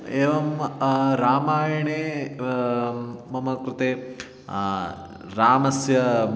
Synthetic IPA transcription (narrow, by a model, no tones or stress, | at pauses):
eːʋɐmɾaːmaːjɐɳeː | mɐmɐkɾɪt̪eː | ɾaːmɐsjɐ